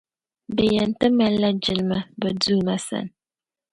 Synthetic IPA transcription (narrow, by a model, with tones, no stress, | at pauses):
bɛ˨jɛ˨n˨tɨ˦mɛ˦lːa˦d͡ʒɪ˨lma˦bɛ˨duː˦˨ma˦sa̰˨n